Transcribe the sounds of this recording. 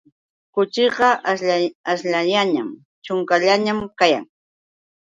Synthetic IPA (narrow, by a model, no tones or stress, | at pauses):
kʊt͡ʃɪqɑʔasʎajaɲam | t͡ʃʊŋkaʎaɲamkaja̰ŋ